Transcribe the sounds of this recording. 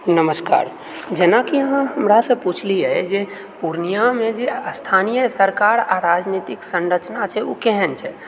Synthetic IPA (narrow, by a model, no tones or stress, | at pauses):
nəməska̰ːɾ | d͡ʒenakiəɦãɦəmɾasə̃put͡ʃʰliɛd͡ʒe | puɾnijamed͡ʒeəst̪ʰanijəsəɾkaɾaɾad͡ʒnit̪iksənɾət͡ʃnat͡ʃʰɛukɛɦɛnt͡ʃʰɛ